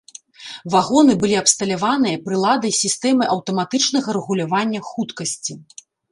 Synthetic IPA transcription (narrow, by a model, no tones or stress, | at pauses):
vaɣɔn̪ɨbɨlʲiɐpst̪ɐlʲavan̪ɨjɐpɾɨlˠad̪ɐjsʲist̪ɛmɨʔɐwt̪ɐmat̪ɨt͡ʂnɐɣɐɾɛɣulʲavanʲːɐxut̪kɐsʲt͡sʲi